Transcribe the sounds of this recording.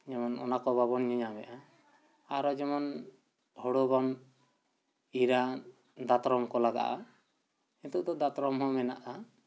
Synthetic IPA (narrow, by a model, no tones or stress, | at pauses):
d͡ʒɛmɔnɔ̰nakɔbaβɔnɲɔɲamɛʔa | aɾɔd͡ʒɛmɔn | hɔɽɔbam | iɾa | d̪at̪ɾɔmkɔlaɡa̰ʔa̰ | int̪uʔd̪ɔd̪at̪ɾɔmɦɔ̃mɛna̰ʔa